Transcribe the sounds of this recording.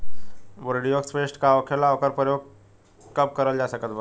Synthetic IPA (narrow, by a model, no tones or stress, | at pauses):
bəɾɽijoksfeʂʈkaʋkʰelaʋkəɾpəjoɡ̚ | kəp̚kəɾəld͡ʑasəkət̪bə